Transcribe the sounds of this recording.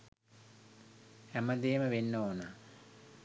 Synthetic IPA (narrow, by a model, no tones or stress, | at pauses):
æməd̪eːməʋenːoːna